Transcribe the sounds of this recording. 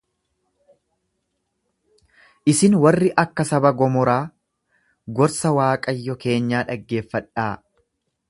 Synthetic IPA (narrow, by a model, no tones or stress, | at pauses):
ʔɪsɪnwɐrːɪʔɐkːɐsɐbɐɡɔmɔɾaː | ɡɔɾsɐwaːkʼɐjːɔke̞ːɲːaːᶑɐɡːe̞ːfːɐᶑaː